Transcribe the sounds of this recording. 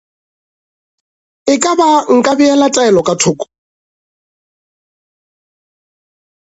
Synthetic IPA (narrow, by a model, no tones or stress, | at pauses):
ɪkʼabaŋ̩kʼabiɛlatʼɛɛlɔkʼatʰʊːkʼɔ̥